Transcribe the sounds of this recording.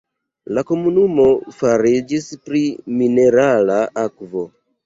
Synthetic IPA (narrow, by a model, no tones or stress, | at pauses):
lako̞munumo̞faɾid͡ʒispɾimine̞ɾalaʔakvo̞